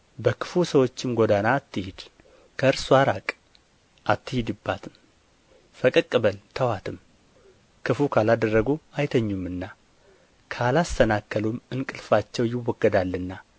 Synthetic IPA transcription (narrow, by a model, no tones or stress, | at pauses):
bəkʰɨ̥fusəwo̞t͡ʃːɪmɡo̞d̪anat̪ːɨhɪd̪̥ | kʰəɨɾsuaɾakʼ | ʔat̪ːɨhɪd̪ɨbːat̪ʰɨm | fəkʼɨkʼːɨbəlt̪ʰəwat̪ʰɨm | kʰɨfukʰalad̪ərːəɡuajt̪ʰəɲːumɨnːa | kʰalast̪ʰənakʰːəlumɨnkʼɨlfat͡ʃːɛwjɪwːɔɡːəd̪alːɨnːa